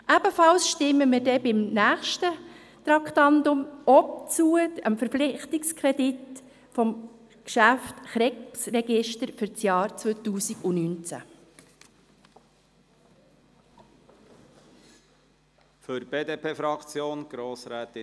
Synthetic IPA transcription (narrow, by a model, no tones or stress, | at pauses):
ʔæb̥əfɑlsʃtɪmːəmɪɾdɛbɪmnæːχʃtə | t̪ɾɑkχt̪ɑnd̪ʊmɔp̚t͡suəəmfəɾflɪχt̪ɪkskʰɾɛdɪt | fɔm | kʃæftχɾɛksrɛɡ̥ɪʃtəɾfʏɾt͡sjɑːɾt͡sʋœt̪uːsiɡʊnyːnt͡sæ̰ | føɾb̥eːd̪eːpʰeːfɾɑkt͡sjoːnɡ̥ɾoːsɾæːt̪